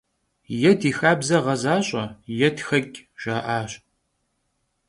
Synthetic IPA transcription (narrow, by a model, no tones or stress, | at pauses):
jɛdiːxaːbzɐʁɐzaːɕʼɐjɛtxɐkʲʼʒ̥aːʔaːɕʼ